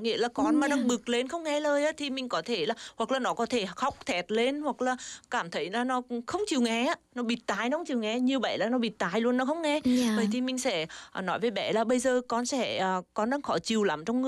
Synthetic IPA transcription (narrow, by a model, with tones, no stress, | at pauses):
ŋḭ˧˥əlaː˨˩kɔ˧nmaː˨˩ɗaː˧ŋɓɨ˨˩ək̚le˧nxə˧wŋ͡mŋɛ˧ləː˧jʔaː˧˦t̪ʰi˨˩mï˨˩ŋ̟kɔ˨˦t̪ʰe˧˩laː˨˩hwa˨˩k̚laː˨˩nɔ˨˦kɔ˨˦t̪ʰe˧˩xa˨˦˩wk͡p̚t̪ʰɛ˨˩t̚le˧nhwa˨˩k̚laː˨˩kaː˧˩mt̪ʰə˨˦jlaː˨˩nɔ˨˦˧xə˧wŋ͡mt͡ɕi˨˩əwŋɛ˧˦aː˨˧˦nɔ˨˦ɓi˨˩t̚t̪aː˨˧˩jnɔ˧˦xə˦ŋ͡mt͡ɕi˨˩əwŋɛ˧ɲi˨əɓə̰a̰˧˩jlaː˨˩nɔ˨˦ɓi˨˩t̚t̪aː˨˧˩jlu˧ənːɔ˨˦xə˧wŋ͡mŋɛ˧vəː˨˩jt̪ʰi˨˩mï˨˩ŋ̟sɛ̰˧˥˨nɔ˨˦jvəː˨˦jɓɛ̰˧˩laː˨˩ɓə˧jzəː˨˩kɔ˧nsɛ̰˧˥əː˨˩kɔ˧˦nɗaː˧˦ŋxɔ˧˩˦t͡ɕi˨˩əwla˨˦mt͡ɕɔ˧wŋ͡mɨ˧